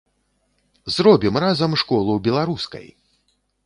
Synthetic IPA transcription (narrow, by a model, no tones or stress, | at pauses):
zrɔbʲimrazɐmʂkɔlˠubʲɛlˠaɾuskɐ̰j